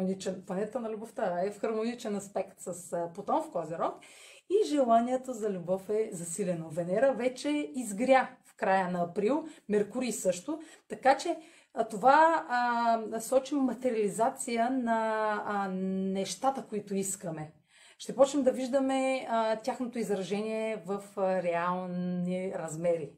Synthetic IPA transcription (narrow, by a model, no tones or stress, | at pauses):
nit͡ʃɛnpˠɐnɛt̪ənɐlʲuboft̪əɛfxɐɾmonit͡ʃɛnɐspɛkt̪sɐspot̪ɔmfk̪ɔziɾɔk | iʒɛlˠaniɛt̪əzɐlʲubɔfɛzɐsilʲɛnovɛnɛɾəvɛt͡ʃɛizɡɾʲafkɾajənɐɐpɾilˠmɛɾkuɾisɤʃt̪ʊt̪ɐkat͡ʃɛ | t̪ova | sɔt͡ʃimːɐt̪ɛɾʲiɐlʲizat̪sijənɐ | nɛʃt̪at̪əkʊit̪ʊiskəmɛ | ʃt̪ɛpɔt͡ʃnɛmd̪ɐviʒd̪əmɛt̪ʲaxnot̪oizɾɐʒɛniɛvɐfɾɛalˠnniɾɐzmɛɾi